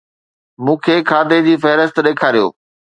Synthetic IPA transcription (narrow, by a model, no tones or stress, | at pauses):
mũːkʰeːkʰaːd̪ed͡ʑiːfɐɦɪɾəst̪ɗeːkʰaːɾijo̰ː